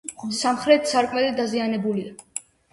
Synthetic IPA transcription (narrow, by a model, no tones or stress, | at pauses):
samχɾɛt̪saɾkʼmɛlid̪azianɛbulia